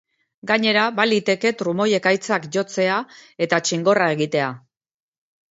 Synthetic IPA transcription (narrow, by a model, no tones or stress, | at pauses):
ɡaɲe̞ɾaβalit̪e̞ke̞t̪ɾumo̞je̞kajt͡sakʝo̞t͡se̞ae̞t̪at͡ʃiŋɡo̞rae̞ɣ̞it̪e̞a